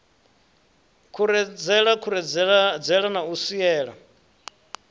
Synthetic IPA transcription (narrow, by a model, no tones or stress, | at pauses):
kʰuɾɛd͡zɛɺakʰuɾɛd͡zɛd͡zɛɺanausiɛːɺa̰